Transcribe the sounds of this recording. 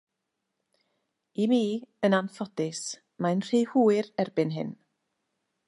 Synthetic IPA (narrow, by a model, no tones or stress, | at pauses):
imiːənanfɔdɪs | manr̥ejhuːɨrɛrbɪnɦɪ̰n